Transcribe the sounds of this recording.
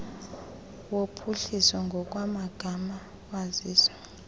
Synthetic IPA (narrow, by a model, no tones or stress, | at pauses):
wopʰuɬisɔŋɡʱɔk̬ʼwamaɡ̥ʱama | waziːswḁ